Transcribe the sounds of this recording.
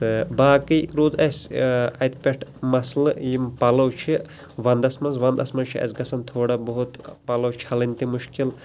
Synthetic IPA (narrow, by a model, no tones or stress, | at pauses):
t̪ɨbaːkiɾuːd̪ɐsʲɐt̪ʰpʲeʈʰmɐsljimpɐlɐwt͡ʃʰi | ʋɐnd̪ɐsmɐnzʋɐnd̪ɐsmɐnt͡ʃʰiɐ̰sɡɐsɐnt̪ʰoːɽabɐɦut̪pɐlɐwt͡ʃʰiɐlint̪imuʃkil